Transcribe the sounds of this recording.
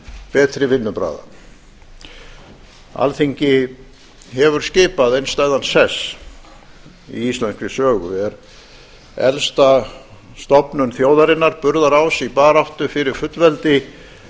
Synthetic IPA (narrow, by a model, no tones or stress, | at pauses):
pɛːt̪ɾɪvɪnːʏpɾa̰ːða̰ | a̰lθiɲcɪ | ɦɛvʏɾ̥scɪːpaðejnst̪aːjðansɛs | ḭist̪lɛnskvɾɪsœːɣʏ̰ɛɾ | ɛ̰lst̪a | st̪ɔpnʏnθjoːwðaɾɪnːaɾpʏɾðaɾaːwsipaːɾawht̪ʏfɪɾɪɾ̥fʏt̪lvɛlt̪ɪ